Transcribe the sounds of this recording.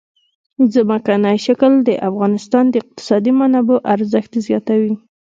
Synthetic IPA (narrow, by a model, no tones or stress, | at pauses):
zəmakanɑjʃakəld̪əʔafɣɑnɪst̪ɑnd̪əɪq̚t̪ɪ̥sɑd̪imanaboʔaɾzəxt̪zjɑt̪awi